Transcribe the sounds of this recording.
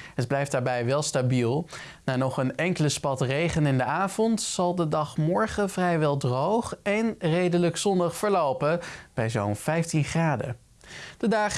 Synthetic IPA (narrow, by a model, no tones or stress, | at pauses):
ɦəd̚blɛjfd̥aːɹbɛjʋɛlˠstabilˠ | naːnɔχənɛŋkələspɑtrejχənɪndəaːvɔntsɑlˠdədɑχmɔɹχəvrɛjʋɛlˠdrowχɛnrejdələksɔndɑχfəɹlowpəb̥ɛjzownvɛjftinχraːdə̰ | d̥ədaːχ